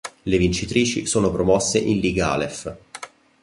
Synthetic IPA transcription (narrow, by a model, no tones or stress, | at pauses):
levint͡ʃit̪ɾiːt͡ʃḭsoːnopɾomɔsːeʔinliɡa̰ːlef